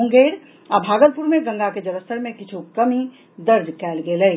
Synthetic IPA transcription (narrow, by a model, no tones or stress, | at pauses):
ũŋɡeːɾ | abʱaːɡəlpuɾmẽɡə̃ŋɡaked͡ʒəɾəst̪əɾmẽkɪt͡ʃʰukəmi | d̪əɾd̪kɛːlɡelə